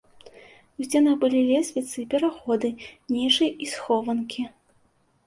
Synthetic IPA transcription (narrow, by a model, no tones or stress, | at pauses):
uzʲd͡zʲɛnɐɣbɨlʲilʲɛsʲvʲit̪sɨpʲɛɾaxɔd̪ɨnʲiʂɐjʔisxɔvɐnkʲi